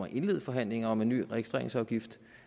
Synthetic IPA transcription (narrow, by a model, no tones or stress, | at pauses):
ɐʔe̝nle̝ð̰̩ˠfɒ̽ɦæn̰le̝ŋɐɒ̽me̝nːy̰ːʁɛɡ̥isd̥ʁḛɐ̰ɪŋsɒʊɡ̥ifd̥